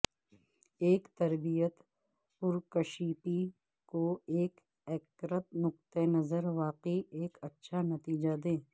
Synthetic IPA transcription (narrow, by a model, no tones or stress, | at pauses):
eːkt̪ɐɾbijət̪ | pʊɾkɐʃiːpi | koeːk | ɛkɾət̪nʊqt̪enɐzəɾʋaːqieːkɐtːʃʰanɐt̪iːd͡ʒad̪ẽː